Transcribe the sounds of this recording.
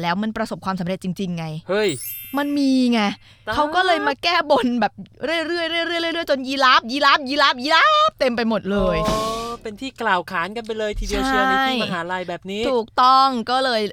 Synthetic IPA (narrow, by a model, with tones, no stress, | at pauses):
lɛː˦˥wma˧npɾa˧so˨˩p̚kʰwaː˧msa˩˦mɾe˨˩t̪̚t͡ɕi˧ŋt͡ɕi˧ŋːa˧jhɤ˦˥˩jma˧nmiː˧ŋa˧ | kʰa˦˥wkɔː˥˩lɤː˧jmaː˧kɛː˥˩bo˧nbɛː˨˩p̚ɾɯ˥˩əjɾɯ˥˩əjɾɯ˥˩jɾɯ˥˩jɾɯ˥˩jɾɯ˥˩əjt͡ɕo˧njiː˧la˦˥p̚jiː˧˥laː˦˥p̚jiː˧laː˦˥p̚jiː˧laː˦˥p̚t̪e˧mpa˧jmo˨˩t̪̚lɤː˧jːpe˧nt̪ʰiː˥˩klaː˨˩wkʰaː˩˦nka˧np̬a˧jlɤː˧jt̪ʰiː˧bi˧at͡ɕːʰɯ˧˥a˧˥ja˧nɦaː˩˦ɾa˧˩jbɛː˨˩p̚niː˦˥t̪ʰuː˨˩k̚t̪ɔ˥˩ŋkɔː˥˩lɤː˧j